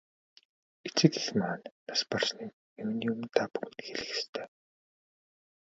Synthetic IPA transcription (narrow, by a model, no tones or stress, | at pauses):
et͡sɘ̆t̪ɘ̆ɮmaːnːasparsniːk | emniːɵmɘ̆nt̪ʰaːpuɣɘ̆nxeɮɘ̆xest̪ʰeː